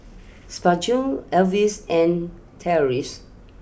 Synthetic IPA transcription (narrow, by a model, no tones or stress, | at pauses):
spad͡ʒũɛlvisɛ̃n | tʰɛɔɹis